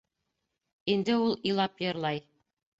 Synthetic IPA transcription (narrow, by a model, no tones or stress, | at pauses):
ind̪ɘulˠĭlˠɑpjɤ̆ɾlˠɑj